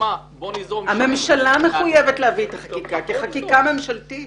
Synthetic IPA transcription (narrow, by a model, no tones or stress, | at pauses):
hame̞mʃalameχujevetleaviet̪aχakkikakiaχakikame̞mʃaltit